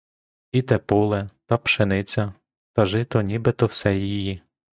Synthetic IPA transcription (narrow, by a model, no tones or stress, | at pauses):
it̪ɛpulˠɛt̪ɐpʃenɪt͡sʲɐ | t̪ɐʒɪt̪ɔnʲibɪt̪ɔwsɛjiji